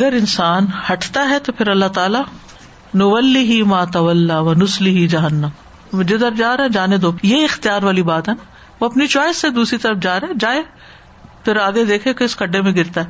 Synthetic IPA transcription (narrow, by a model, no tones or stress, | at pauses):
ɐɡəɾɪnsaːnhɐʈʰt̪aɦɛt̪opʰɪɾɐlːat̪aːla | nʊʋɐlːɪɦimaːt̪ɐʋɐlːaʋɐnʊslɪɦid͡ʒɐɦənːəm | d͡ʒod̪əɾd͡ʒaːɾɐɛ̃d͡ʒaːned̪oːpjeɪxt̪ijaːɾʋaːlibaːt̪ɦɛna | ʋoɐpnit͡ʃɔːɪsːed̪uːsɾit̪ɐɾəfd͡ʒaːɾeɛ̃d͡ʒaːe | pʰɪɾaːɡed̪eːkʰẽk̪oɪskɐɖːemẽɡɪɾt̪aɦɛ